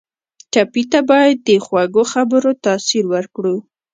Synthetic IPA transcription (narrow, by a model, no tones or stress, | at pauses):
t͡ʃapit̪abɑjad̪ːəxwaɡoxabəɾot̪ɑsiɾwəɾkɽu